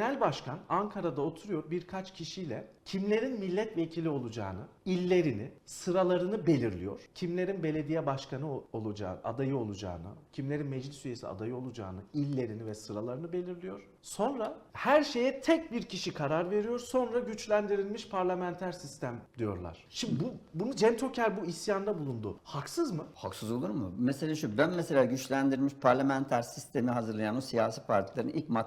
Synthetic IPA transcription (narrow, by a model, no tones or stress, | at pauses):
nælʲbaʃkʰanaŋkʰaɾad̪aot̪ʰuɾujo̞ɾbiɾkʰat͡ʃcʰiʃijlʲɛ̰cʰimlʲe̞ɾinmilʲːɛt̪ve̞cʰilʲio̞lˠud͡ʒa̰ːnɯ | ilʲːe̞ɾinɪsɯɾalˠaɾɯnɯbe̞lʲiɾlʲijo̞̰ɾ̥cʰimlʲe̞ɾinbe̞lʲe̞d̪ijɛbaʃkʰanɯolˠud͡ʒa̰ːa̰d̪ajɯo̞lˠud͡ʒa̰ːnɯ̰cʰimlʲe̞ɾinmɛd͡ʒlʲisyjesḭa̰d̪ajɯo̞lˠud͡ʒa̰ːnɯilʲːe̞ɾinivɛsɯɾalˠaɾɯnɯbe̞lʲiɾlʲijo̞ɾ̥ | so̞nɾahæɾʃe̞jɛt̪ʰɛc̚biɾcʰiʃikʰaɾaɾve̞ɾijo̞ɾso̞nɾaɟyt͡ʃlʲænd̪iɾilʲmiʃpʰaɾlʲamɛnt̪ʰæɾsist̪ʰæmd̪ijo̞ɾlˠa̰ɾ̥ʃimd̪ibubunud͡ʒɛnt̪ʰo̞cʰæɾbuisjand̪abulˠund̪ʊhaksɯzmɯhaksɯzo̞lˠuɾmɯmeselʲaːʃubænmɛse̞lʲaːɟyt͡ʃlʲænd̪iɾlʲmiʃpʰaɾlʲamænt̪ʰæɾsist̪ʰe̞miɦazɯɾlˠajanosijaːsiːpʰaɾt̪ʰilˠaɾɯnilcma